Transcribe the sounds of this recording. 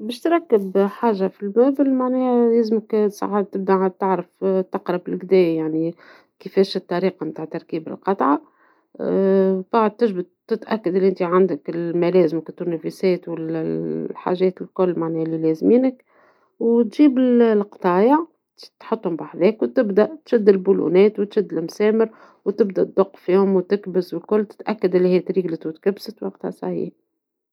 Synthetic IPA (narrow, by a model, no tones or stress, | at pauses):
bɛːʃt̪ɾˤɑkːəbħaːʒafilmæːbɪlmaʕnɛːhlæːzməksˤɑ̰ʕad̪̚t̪ɪb̚d̪aʕad̪̚t̪aʕɾəft̪ːɑqɾˤɑbɪlɡd̪ɛːjjaʕni | kəfɛːʃt̪ːɑɾiːqɑmt̪aːʕt̪ːɑɾˤkiːbɪ̰lqɑt̪ˤʕa | baʕd̪̚t̪ɪʒbʊd̪̚t̪ːɪt̪ʔækːad̪ɪliʔɪnt̪iʕand̪əkɪlmælɛːzməkɪt̪ːunæfisɛːt̪wɪl | ħa̰ʒɛːt̪ɪlkʊlːmaʕnɛːlilɛzmiːnək | wt̪ʒiːbɪllqt̪ˤɑːjɑ | t̪ħʊt̪ˤːhʊmbaħðɛːkwt̪ɪbd̪æʔt̪ʃɪd̪ːɪlbulṵnɛːt̪wt̪ʃɪd̪ːɪlmsɛːməɾ | wt̪ɪbd̪æt̪̚d̪ˤʊqːfiːhʊmwt̪ɪkbəzwɪlkʊlːt̪ɪ̥t̪ʔækːad̪ʔɪlːihiːt̪ɾiːɡlət̪wt̪kæbsət̪wɑq̚t̪ha̰sa̰ʕḭːħ